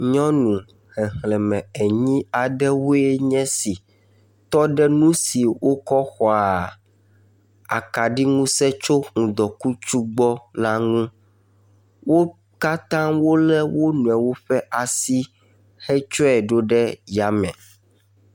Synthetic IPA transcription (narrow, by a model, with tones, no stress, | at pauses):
ɲɔ̃˦nũ˨ | hɛ˨hlɛ˨mɛ̃˨ɛ˨ɲĩ˦a˨ɖɛ˦wo˦e˦ɲɛ̃˦si˨ | t̪ɔ˦ɖɛ˦nũ˦si˨wo˦kɔ˦xɔ˦a˨ | a̰˨ka˨ɖi˦ŋũ˦sɛ˦t͡ʃo˦ŋũ˨d̪ɔ˨ku˦t͡ʃu˦ɡ͡bɔ˦la˦ŋũ˦ | wo˦ | ka˦t̪ã˦wo˦lɛ˦wo˦nũ˨ɛ˨wo˦ɸɛ˦ʔa˨si˦ | hɛ˦t͡ʃɔ˦ɛ˨ɖo˦ɖɛ˦ja˨mɛ̰̃˨